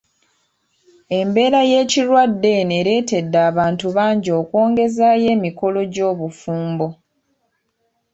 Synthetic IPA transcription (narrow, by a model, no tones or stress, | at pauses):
e̞mbe̞ːɾaje̞ːciɾwadːe̞neɾe̞ːte̞dːaːβaːntuβaːɲɟo̞ːkwo̞ːŋɡe̞zaje̞ːmiko̞lo̞ɟo̞ːβufuːmbo̞